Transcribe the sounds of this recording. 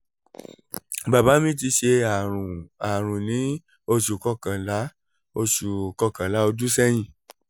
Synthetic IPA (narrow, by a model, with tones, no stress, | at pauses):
ba˨ba˨˦mĩ˦t̬i˧ʃe˧a˨ũ˨a˨ɾ̃ũ˨nĩ˨˦ | o˧ʃu˨kɔ˧˨kã˨la˨˦ | o˧ʃu˨kɔ˧kã˨la˨˦o˧du˦sɛ˦j̃ĩ˦˨